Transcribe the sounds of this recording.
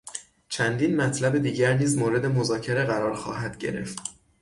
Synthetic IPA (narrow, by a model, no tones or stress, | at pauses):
t͡ʃʰænd̪iːnmæt̪ʰlæbe̞d̪iːɟæɾniːzmoːɾe̞d̪e̞mozɒːcʰeɾe̞ɣæɾɒːɾxɒ̰ːhæd̪̥ɟe̞̰ɾe̞̰ft̪